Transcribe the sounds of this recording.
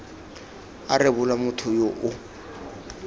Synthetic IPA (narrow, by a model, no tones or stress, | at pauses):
arɪbʊlamʊtʰʊjoʔʊ